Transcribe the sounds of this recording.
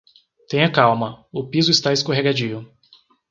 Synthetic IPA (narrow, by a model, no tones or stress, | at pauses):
t̪ẽj̃ɐkawmɐʊpizʊɪst̪aɪskoɦeɡad͡ʒiʊ